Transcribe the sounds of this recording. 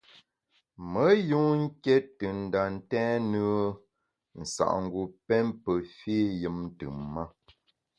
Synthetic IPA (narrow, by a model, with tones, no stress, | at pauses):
mə˨˦ju˦ŋ̩˦kɛ˦tɨ˨n̩˨da˨n̩˦tɛ̃˦nɨ˦ | n̩˨sa̰˨ʔŋ̩˨ɡu˨pɛ˦mpə˨fi˦jɨ˦mn̩˦tɨ˨mːa˦